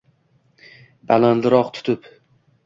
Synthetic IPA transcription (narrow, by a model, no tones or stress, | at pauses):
balanlɪɾɒqt̪ʰʊ̥t̪ʰɪp